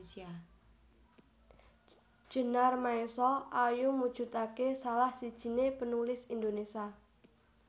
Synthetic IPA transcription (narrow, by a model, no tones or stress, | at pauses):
sia | ʒ̥ə̤narmaesɔʔajumud̥ʒ̥ṳt̪akesalahsid̥ʒ̥i̤nepənulɪsind̪onesia